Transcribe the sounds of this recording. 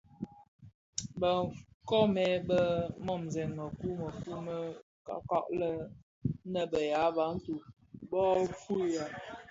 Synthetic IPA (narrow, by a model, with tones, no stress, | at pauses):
bə˨kɔ˦mɛ˨˦bə˦mɔ˦˨mzɛ˨nmə˨ku˦mə˨fu˦mə˦ | ka̰˦kɔ̰˦ʔlə˦ | nə˦bə˨ja˨˦ba˨˦n̩˦tu˨ | bɔ˦fu˦˨ja˨